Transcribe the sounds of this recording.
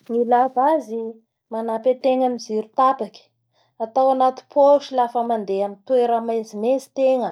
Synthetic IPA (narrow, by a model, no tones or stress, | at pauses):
ŋilavazi | manapet̪eŋamiziɾut̪apaki̥ | at̪awanat̪i̥pʰoʃilafəmand̪eamint̪ueɾamajzimezi̥t̪eŋə